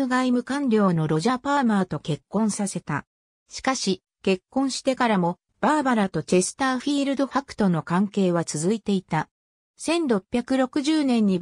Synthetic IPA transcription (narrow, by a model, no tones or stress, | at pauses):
ɯɡaimɯ̟kãnɾʲjo̞ːno̞ɾo̞ʑapaːmaːt̪o̞ke̞kːõ̞ɰ̃sase̞t̪a̰ | ɕi̥kaɕi | ke̞kːõ̞ɰ̃ɕi̥t̪e̞kaɾamo̞ | b̥aːbaɾat̪o̞t͡ɕe̞sɨ̥t̪aːɸiːɾɯ̟d̪o̞ɸakɯ̥t̪o̞no̞kãŋke̞ːβat͡sɨzɨit̪e̞it̪a | sẽ̞nɾo̞pʲːjakɯ̟ɾo̞kɯ̟ʑɨːnẽ̞ɲ̟ːi